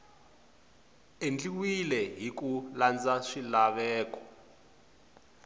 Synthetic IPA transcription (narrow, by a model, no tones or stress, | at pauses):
end͡ɮiwilɛɦikuland͡zaʂilaβɛːkɔ